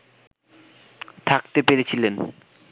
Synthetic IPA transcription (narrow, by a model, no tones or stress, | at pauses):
t̪ʰak̚t̪epeɾet͡ɕʰilen